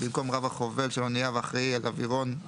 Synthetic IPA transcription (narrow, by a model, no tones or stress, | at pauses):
bimko̞mʁavaχo̞ve̞lʃelonijavaχʁealaviʁo̞n